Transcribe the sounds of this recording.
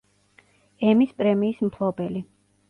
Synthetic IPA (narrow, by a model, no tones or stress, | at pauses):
ɛmispʼɾɛmiːsmpʰlˠɔbɛli